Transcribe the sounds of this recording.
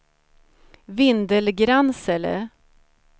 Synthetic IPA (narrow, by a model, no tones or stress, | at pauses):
vɪnd̪əlɡɾansɛlə̰